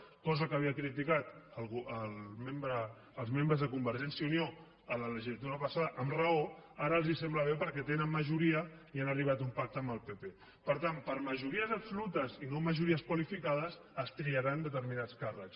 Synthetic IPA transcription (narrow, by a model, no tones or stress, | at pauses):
kɔzəkəβ̞iəkɾit̪ikat̪əlˠɣuəlmembɾəː | lˠzmẽmbɾəzðəkumbəɾʒɛnsjiunio | ələləʒiət̪̬uðəpəsaðəʔəmrəoaɾəːlˠzisɛmbləβ̞epəɾkɛt̪enəmːəʒuɾiəianəriβ̞at̪umpak̚t̪əmbəlˠpepe | pəɾt̪ampəɾməʒuɾiəzəpsulut̪əzinoməʒuɾiəskwəlifikað̞əs | əst̪ɾiəɾand̪ət̪əɾminat͡skarəks